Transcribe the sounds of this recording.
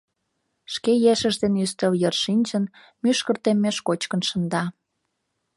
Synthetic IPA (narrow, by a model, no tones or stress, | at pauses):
ʃkejeʃə̆ʒd̪enyst̪əljərʃinʲt͡ɕən | myʃkə̆rt̪emːeʃkot͡ɕkə̆nʃə̆nd̪ɑ